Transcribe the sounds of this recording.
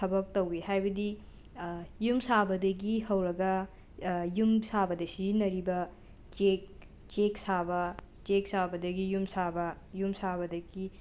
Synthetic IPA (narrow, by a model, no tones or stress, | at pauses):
tʰɐbɐk̚tɐwihajbɐdi | jumsabɐdɐɡihɐwɾɐɡɐ | jumsabɐdɐsiinɐɾibɐ | t͡ʃek̚ | t͡ʃeksabɐ | t͡ʃek̚sabɐdɐɡijumsabɐ | jumsabɐdɐɡi